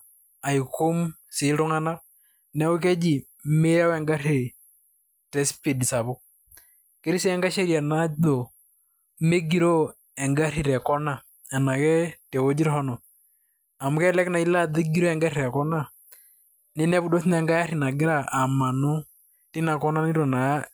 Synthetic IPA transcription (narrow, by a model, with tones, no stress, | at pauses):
a˨i˨ko˦m | si˨ɾo˦ŋa˦na˦ | nɛ˦o˦k̬ɛ˦d͡ʒi˨ | me˦ɾa˦wɛ˦ŋɡa˦ɾe˨ | tɛ˦spi˨dsa˨βɔ˦ | ke˦ɾi˦si˦ɛ˦ŋɡa˦ʃɛ˦ɾja˨na˦dɔ˨ | me˦ɡi˨ɾɔ˦ | ɛ˨ŋɡa˦ɾi˨ɾɛ˨kɔ˦na˦˨ | a˨na˨kɛ˦tɛ˨wo˦d͡ʒi˦ɾhɔ˦nɔ˨ | a˨mu˨kɛ˦lɛ˦kna˨i˦la˦ðe˦ɡi˦ɾɔ˦ɛ˨ŋɡa˦ɾiɾɛ˨kɔ˦na˦˨ | ne˦nɛ˦βu˦dɔ˦θi˦nɛŋɡa˦ja˦ɾi˨na˨ɡi˦ɾa˦ʔa˨ma˨no˦ | ti˦na˨kɔ˦na˦ni˦ɾɔ˨na˨˦